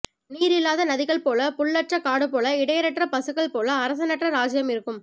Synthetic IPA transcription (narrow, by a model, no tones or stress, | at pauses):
niːɾɪlːaːðɐnɐðɪɣɐɭpoːlɐpʊɭːɐʈt͡ʃɐkaːɽɯpːoːlɐɪɽɐjɐɾɐʈrɐpɐsɯɣɐɭpoːlɐːɾɐs̬ɐnɐʈrɐɾaːd͡ʒɪjɐmɪɾɯkːɯm